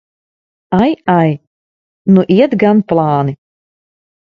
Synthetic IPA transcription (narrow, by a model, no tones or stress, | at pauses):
ajaj | nuʔiɛt̪ɡanplˠɑːni